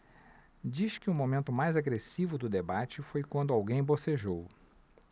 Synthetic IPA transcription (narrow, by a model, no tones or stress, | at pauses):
d͡ʒiʃkɪʊmomẽnt̪ʊmajzaɡɾesivʊd̪ʊd̪ebat͡ʃɪfojkwɐ̃nd̪ʊawɡẽj̃boseʒow